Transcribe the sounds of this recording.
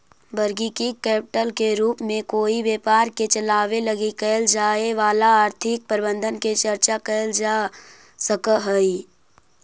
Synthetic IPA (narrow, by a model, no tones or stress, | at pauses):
bəɾɡikikɛːpɪʈəlkeɾuːpmẽkoːiʋjeːpaːɾket͡ʃəlaːʋeləɡikəld͡ʒaːeʋaːlaaːɾt̪ʰɪk̚pəɾɪbə̃nd̪ʱənket͡ʃəɾt͡ʃakəld͡ʒa | səkəɦəi